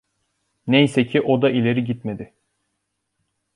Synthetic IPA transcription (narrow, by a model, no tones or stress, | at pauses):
nejsecʰiʔod̪aʔilʲe̞ɾiɟit̪me̞d̪ɪ